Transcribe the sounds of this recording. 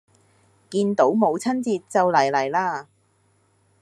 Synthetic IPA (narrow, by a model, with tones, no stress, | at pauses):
kiː˧nt̪o˨˥wmo˨˧wt͡sʰɐ˥nt͡siː˧t̚t͡sɐ˨wlɐ˨˩jlɐ˨˩jlaː˧